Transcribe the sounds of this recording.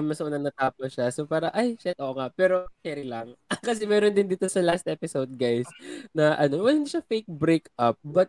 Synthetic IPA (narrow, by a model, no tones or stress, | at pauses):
mmɐsɐʔʊnɐŋnɐt̪aːposʃasopaːɾɐʔajʃɛt̪̚ʔoːʔoŋapɛːɾo̞kɛɾɪlɐŋkɐs̬ɛmɛːɾond̪ɪnd̪iːt̪o̞sɐlast̪ʔɛpɪsowd̪̚ɡajsnɐʔɐno̞wɛlhɪnd̪iːʃɐfejk̚bɾekʔɐp̚bɐt̪̚